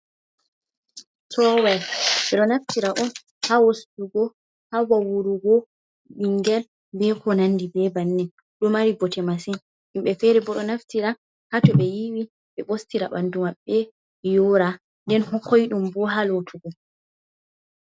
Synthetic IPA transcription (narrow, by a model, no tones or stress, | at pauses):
tʰɔwajɓɛɗɔnaftiɾaʔun | hawostuɡɔ | hawawuɾuɡɔ | ɓiŋɡɛl | bɛkʰɔnanːdibɛbanːɛ | ɗɔmaɾibɔtɛmasin | ʔimɓɛfɛɾɛbɔɗɔnaftiɾa | hatɔɓɛjiwi | ɓɛɓostiɾaɓandumaɓːɛ | joːɾa | ndɛnhɔkojɗumbɔɦalotʰuɡɔ